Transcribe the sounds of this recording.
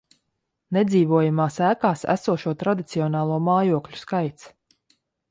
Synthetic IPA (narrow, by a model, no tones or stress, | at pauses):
nɛd̪ziːvuɔjamaːsæːkaːsæ̰suɔʃuɔt̪ɾad̪it̪siɔnaːlˠuɔmaːjuɔklʲu̥skajt̪s